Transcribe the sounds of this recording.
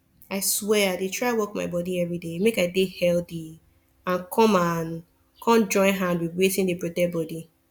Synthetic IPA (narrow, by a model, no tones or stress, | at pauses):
aɪswɛadetʰɹawɔkma̰ɪbɔdiɛvɹidemekaɪdehɛldi | ãnkʰɔ̃man | kʰɔ̃md͡ʒɔ̃ɪ̃nɦãndwiðwezĩndebɹɔdɛbɔdi